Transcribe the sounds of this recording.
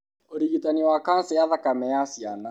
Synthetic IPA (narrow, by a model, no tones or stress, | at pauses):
oɾiɣitaniwakan̩sɛjaðakamɛjasiana